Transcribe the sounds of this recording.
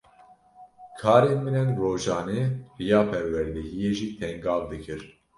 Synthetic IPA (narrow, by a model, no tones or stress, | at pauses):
kʰɑːɾeːnmɨnɛnroːʒɑːneːrijɑːpʰɛɾwɛɾd̪ɛhijeːʒiːt̪ʰɛŋɡɑːvd̪ɨkʰɨɾ